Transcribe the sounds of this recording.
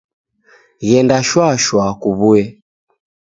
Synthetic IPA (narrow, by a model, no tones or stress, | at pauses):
ɣɛndaʃwaʃwakuβuɛ